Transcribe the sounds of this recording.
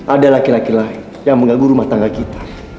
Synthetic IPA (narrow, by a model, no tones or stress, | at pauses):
adalakilakilain | jaŋməŋɡaɡuɾumaht̪aŋɡalkit̪ḁ